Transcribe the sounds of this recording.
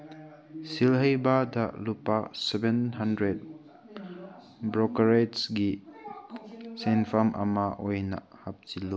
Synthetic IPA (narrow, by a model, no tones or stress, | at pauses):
silɦɐjbadɐlupasɛbenɦɐndɾed̚ | bɾɔkɐɾetsɡi | senpʰamʔɐ̰mɐʔojnɐ̰hɐp̚t͡ʃilu